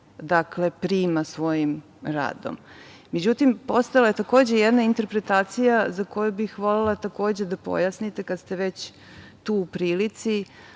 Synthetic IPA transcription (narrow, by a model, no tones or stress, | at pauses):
d̪akle̞pɾiːmasʋo̞jim | ɾa̰ːd̪o̞̰mː | ed͡ʑut̪impo̞st̪alaje̞t̪ako̞ːd͡ʑe̞jed̪naint̪eɾpɾet̪aːt̪sijazako̞jubixʋo̞lelat̪ako̞ːd͡ʑe̞d̪apo̰jasnit̪ekad̪st̪eʋet͡ɕ | t̪uupɾiːlit̪si